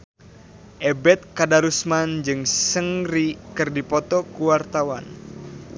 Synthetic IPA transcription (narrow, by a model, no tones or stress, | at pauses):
ʔɛbɛt̪̚kadaɾusmand͡ʒɨŋsəŋrikɨrdipɔt̪ɔkuwart̪awan